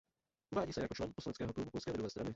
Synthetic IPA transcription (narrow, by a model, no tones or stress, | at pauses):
ʔuvaːɟiːsɛjakot͡ʃlɛn̚poslanɛt͡skɛːɦɔklubupɔlskɛːvɛɾuvɛːst̪ɾa̰nɪ